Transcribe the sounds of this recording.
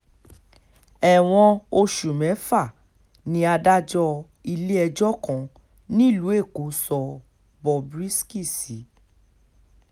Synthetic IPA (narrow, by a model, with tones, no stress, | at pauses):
ɛ˨w̃ɔ̃˧o˧ʃu˨mɛ̃˨˦fa˦˨ | nĩ˦a˧da˦d͡ʒɔ˧ | i˧le˦ɛ˧d͡ʒɔ˦kɔ̃˨ | nĩ˦˨lu˨˦e˦˨ko˨˦sɔ˧ | bɔ˧bɾi˦ski˦˨si˨˦